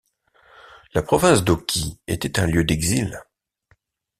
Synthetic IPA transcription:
lapχɔvɛ̃sd̪ɔkʲʰiḛt̪ɛt̪ɛ̃ljød̪ɛɡzil

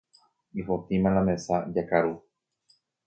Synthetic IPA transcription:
ifot̪ĩmãnãmẽsad͡ʒakaɾu

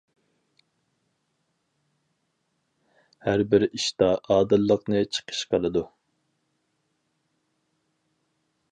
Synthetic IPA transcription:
hæɾbɪɾiʃt̪ɑʔɑːd̪ɨlˠːəqnɨt͡ʃʰə̥qʰə̥ʃqʰɑlˠɨd̪u

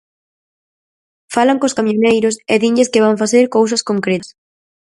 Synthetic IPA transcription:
falaŋkoskamjonejɾʊseðiɲʎɪskɪβ̞aɱfaθeɾkowsɐskoŋkɾes

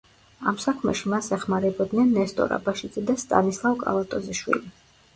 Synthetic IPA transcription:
amsakʰmɛ̰ʃimasɛχmaɾɛbɔd̪nɛnːɛst̪ʼɔ̰ɾa̰baʃid̪zɛd̪ast̪ʼa̰nislˠavkʼa̰lˠat̪ʼɔziʃwḭli

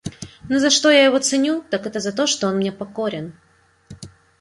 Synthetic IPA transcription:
nozɐʂt̪o̞jajɪvo̞t̪sɨnʲut̪akɛt̪əzɐt̪̬o̞ʂt̪oonmnʲe̞pɐko̞ɾʲɪn

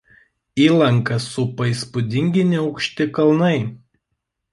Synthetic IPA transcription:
iːlˠɐŋˑkɐsʊpɐiˑspʊd̪ʲɪŋʲɡʲɪnʲɪɒʊkʃʲt̪ʲɪkɐlˠnɐɪ

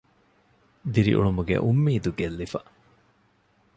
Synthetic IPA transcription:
d̪iɾḭʔṵɭumuɡḛʔumːiːd̪uɡelːifɐ

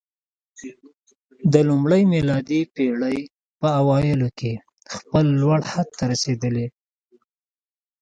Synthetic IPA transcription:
d̪əlumɽəjmɪlɑd̪ipeɽəj | pəawɑjɪloke | xpəlːwaɽhad̪̚t̪aɾased̪əle

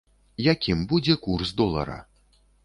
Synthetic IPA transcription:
jakʲimbud͡zʲɛkursd̪ɔlˠɐ̰ɾɐ̰

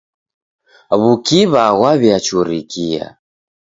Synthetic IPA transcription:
βukiβaɣwaβjat͡ʃuɾikʰia̰

